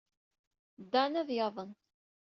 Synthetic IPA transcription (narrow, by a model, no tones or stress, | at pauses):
d̪ænæðjɑðˤən